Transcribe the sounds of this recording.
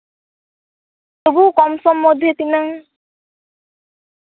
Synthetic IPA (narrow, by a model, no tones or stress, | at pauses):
t̪obukɔmsɔmːɔd̪ʱjet̪inaŋ